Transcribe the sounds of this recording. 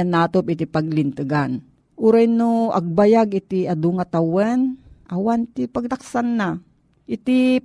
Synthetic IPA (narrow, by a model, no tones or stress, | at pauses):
anaːt̪opɪt̪ipaɡlɪnt̪ɨɡan | ʔuːɾajnoʔɐ̰ɡ̚bajaɡɪt̪iad̪uŋat̪awɛnʔɐwant̪ipaɡ̚laksanːa | ʔɪt̪i